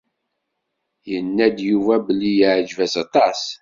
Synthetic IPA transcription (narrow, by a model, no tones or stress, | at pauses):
jənːæd̪juvæbəlːijəʕd͡ʒvæsɑt̪ˤɑs